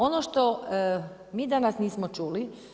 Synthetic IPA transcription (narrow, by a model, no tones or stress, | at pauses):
onoʃt̪o | miːd̪anasniːsmot͡ʃuːli